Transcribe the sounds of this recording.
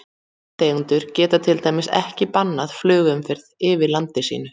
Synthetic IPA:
t̪eːɣnt̪ʏɾ̥cɛːt̪at̪ʰɪlt̪aːjmɪsɛ̰hcɪpanːaðflʏːɣʏmfɪɾðɪːvɪlant̪ɪsḭːnʏ

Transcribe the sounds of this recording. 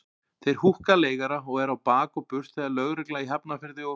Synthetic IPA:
θejɾ̥huhkaleːjɣaɾaɔɣɛɾawpaːkɔpʏr̥t̪θɛðalœɣɾɪklaiɦɛpnafɪɾðɪɔ

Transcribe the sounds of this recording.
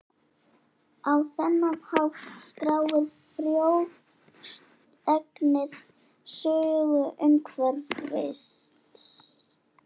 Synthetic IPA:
awθɛnːahawft̪skɾaːwvɪɾ | fɾjow | ɛknɪð | sʏːɣʏʔʏŋkʰvɛɾvvḛjs | t̪s

